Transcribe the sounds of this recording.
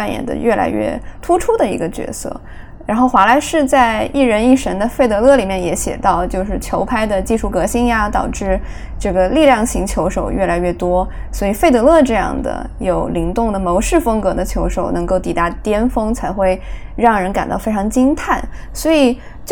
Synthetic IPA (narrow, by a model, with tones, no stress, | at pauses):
a˥˩njɛ̰˨˩nd̪ə̰˧˦ɥʔɛ˥˩lʔa̰˧˥ɪɥɛ̰˥˩t̪ʰu˥ʈ͡ʂʰu˥d̪ə˨ḭ˧˥ɡə˧t͡ɕɥɛ̰˧˥sɤ̰˥˩ | ɻa˧˥nxo˥˩ʊxwa˧˥la˧˥ɪʂɻ̩˥˧t͡sa˥˧ɪi˥˩ɻə˧˥ni˥˩ʂə˧˥nd̪ə˧fe˥˩ɪt̪ɤ˧˥lɤ˥˩li˨˩mjɛ˥˩njɛ˧˥ɕjɛ̰˨˩t̪ɑ˥˧ʊt͡ɕjo˥˧ʊʂɻ̩˥˩t͡ɕʰjo˧˥ʊpʰa˥ɪd̪ə˨t͡ɕi˥˧ʂu˥˩kɤ˧˥ɕi˥ŋja˧t̪ɑ˨˩ʊʈ͡ʂɻ̩˥˧ | ʈ͡ʂɤ˥˩ɡə˩li˥˧ljɑ˥˩ŋɕi˧˥ŋt͡ɕʰjo˧˥ʊʂo˨˩ʊɥɛ˥˩la˧˥ɪɥɛ˥˩t̪wɔ˥ | swɔ˧˥i˨˩fe˥˩ɪt̪ɤ˧˥lɤ˥˧ʈ͡ʂɤ˥˧jɑ̰˥˩ŋd̪ə̰˩ | jo˨˩ʊli˧˥ŋt̪ʊ˥˩ŋd̪ə˩mo˧˥ʊʂɻ̩˥˩fɤ˥ŋkɤ˧˥d̪ə˧t͡ɕʰjo˧˥ʊʂo˨˩ʊnɤ˧˥ŋko˥˩ʊt̪i˨˩t̪a˥˩t̪jɛ˥nfɤ˥ŋt͡sʰa˧˥ɪxwe˥˧ɪ | ɻɑ˥˩ŋɻə˧˥nka˨˩nt̪ɑ˥˩ʊfe˥ɪʈ͡ʂʰɑ˧˥ŋt͡ɕi˥nt̪ʰa˥˩n | swɔ˧˥i˨˩ | t͡ɕ